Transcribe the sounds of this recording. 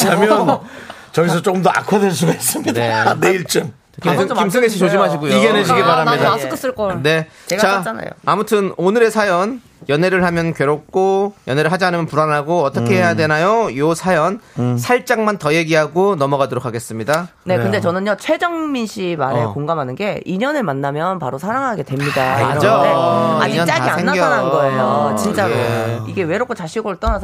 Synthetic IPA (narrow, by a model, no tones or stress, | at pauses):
amjʌnt͡ɕʌɡis̬ʰʌt͡ɕ͈ok͈ɯmdoa̰kʰwadweɭs̬͈uɡais͈ɯmɲidaneiɭt͡ɕ͈ɯŋ | kikims͈ʰɯɡeɕʰit͡ɕod͡ʑimɦaɕʰiɡojoiɡeneɕʰiɡipaɾamɲidaɯs͈ɯɭk͈ʌne̞ | t͡ɕeɡat͡ɕaana̰jo̰amutʰɯnonɯɾe̞sʰajʌn | jʌne̞ɾɯɭhamjʌnkɥeɾok̚k͈ojʌneɾɯɭɦad͡ʑianɯmjʌnpuɾanɦaɡoʌt͈ʌkʰe̞ɦejadwe̞najojosʰajʌnsʰaɭt͡ɕ͈aŋmantʌje̞ɡiɦaɡonʌmʌɡadoɾokʰaɡe̞s͈ɯmɲida | ne̞kɯnde̞t͡ɕʌnɯnjʌt͡ɕʰwe̞d͡ʑʌŋminɕʰima̰ɾekoŋɡamɦanɯnɡe̞iɲʌnɯɭmanːamjʌnpaɾosʰaɾaŋɦaɡe̞dwe̞mɲidaiaɾʌd͡ʑaea̰iɲʌnaiaeŋːaɡɾanɯnɡʌejot͡ɕint͡ɕ͈aiɡe̞we̞ɾok͈ʰːot͡ɕaɕʰiɡoɾoɭt͈ʌnasʰʌ